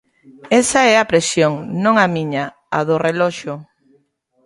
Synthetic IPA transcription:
ɛsaɛapɾesjoŋnõŋamiɲa | aðʊrelɔʃʊ

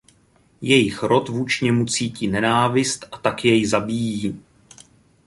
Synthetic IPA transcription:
jɛjɪxɾo̞t̪vuːt͡ʃɲɛmut͡siːciːnɛnaːvɪst̪ʔat̪akjɛjzabiːjiː

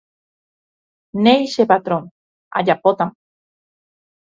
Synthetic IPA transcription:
nejʃepat̪ɾon | a̰ʎapot̪am

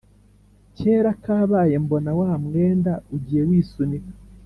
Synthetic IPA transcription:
ce̞ːɾakaːβaːje̞mbo̞nawamŋe̞ːndauɟiːje̞wiːsuni

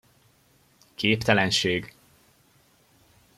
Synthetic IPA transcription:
kʰeːpt̪ɛlɛnʃeːɡ

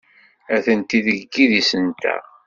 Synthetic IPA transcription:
æθənt̪iðəɡːiðisənt̪æ̰

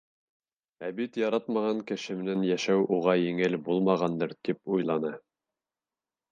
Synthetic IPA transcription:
æbit̪jɑɾɑt̪mɑʁɑŋkɘ̆ʃɘ̆mɘ̆nænjæʃæwʔuʁɑjɘ̆ŋɘlbulˠmɑʁɑnd̪ɤɾt̪ipujlˠɑnɤ

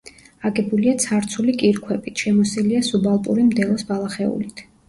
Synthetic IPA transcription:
aɡɛbuliat̪sʰaɾt̪sʰulikʼiɾkʰwɛbit̪ʰʃɛmɔsiliasubalˠpʼṵɾimd̪ɛlˠɔsbalˠaχɛṵlit̪ʰ

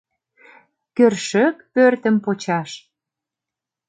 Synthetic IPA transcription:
kørʃək̚pørt̪ə̆mpot͡ɕɑʃ

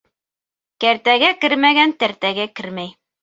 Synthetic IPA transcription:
kæɾt̪æɡækɘɾmæɡænt̪æɾt̪æɡækɘɾmæj

